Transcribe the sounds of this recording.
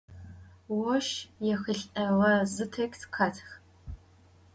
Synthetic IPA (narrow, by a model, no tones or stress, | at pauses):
wɔʃjɛxɨɬʼɐʁɐzɨtʰɐkʲʼtʰkʷʰaːtʰx